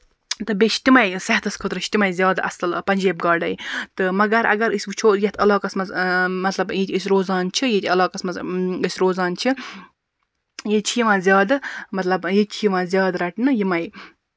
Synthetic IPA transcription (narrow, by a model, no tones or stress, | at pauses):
t̪ɨbet͡ʃʰt̪ʲimɐjsɐht̪ʰɐskʰot̪ɾɨʃʰt̪imɐjzʲjaːd̪ʔɐ̰sɐlpɐnʲd͡ʒeːb̚ɡaːɖɐjt̪ɨmɐɡɐɾʔɐ̰ɡɐɾɨsʲbɨt͡ʃʰoːjet̪ʰɐlaːkɐsmɐzmɐt̪lɐbjet̪ʲʰisʲɾoːzɑːnt͡ʃʰijet̪ʰʲɐlaːkɐsmɐzəsʲɾoːzɑːnt͡ʃʰi | jet͡ʃʰijiʋãːzʲjaːd̪mɐt̪lɐbjet͡ʃʰijiʋãːzʲjaːd̪ɾɐʈnɨjimɐj